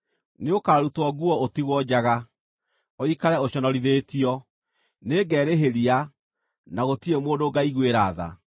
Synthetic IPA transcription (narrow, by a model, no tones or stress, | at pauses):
neokaːɾutwɔɡuɔotiɣwɔd͡ʑaɣa | oikaɾɛoɕɔnɔɾiðetiɔ | neːɡɛɾeɦeɾia | naɣotiemoːndoɡaiɣweɾaːða̰